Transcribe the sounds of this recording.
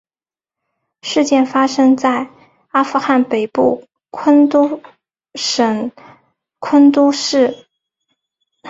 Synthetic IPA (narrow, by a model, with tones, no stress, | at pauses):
ʂɻ̩˥˧t͡ɕjɛ˥˩nfa˥ʂɤ˥ŋt͡sa˥˩ɪ | a˥fu˥˧xa˥˩npe˨˩ɪpu˥˩ | kʰə˥nt̪u˥ | ʂə˧˩ŋ | kʰwə˥nt̪u˥ʂɻ̩˥˩